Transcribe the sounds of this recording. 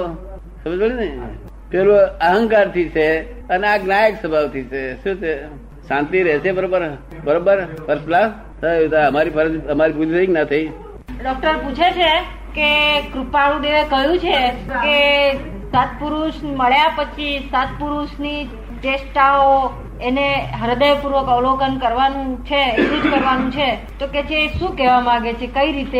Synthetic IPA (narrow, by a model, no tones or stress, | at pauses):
t̪o | səməd͡ʒbəɭinə | peloəɦəŋkaɾt̪ʰit͡ʃʰe | əneaɡnajəksəbʱaʋt̪ʰit͡ʃʰeʃũt͡ʃʰe | ʃãnt̪iɾɛɦt͡ʃʰebəɾobəɾ | bəɾobəɾpəɾsla | t̪ʰəjut̪aəmaɾipʰəɾəd̪iəmaɾipud͡ʒt̪əiknət̪ʰəi | ɖɔk̚ʈəɾput͡ʃʰet͡ʃʰe | kekɾupaɭũd̪eʋekəɦjũt͡ʃʰeke | sat̪̚puɾuʃməɭjapət͡ʃʰisat̪̚puɾuʃni | ʈesʈao | eneɦəɾd̪əjpuɾʋəkɔʋlokənkəɾʋanũt͡ʃʰeːklud͡ʒkəɾʋanũt͡ʃʰe | t̪oket͡ʃʰeːʃũkɛʋamãɡet͡ʃʰekəiɾit̪e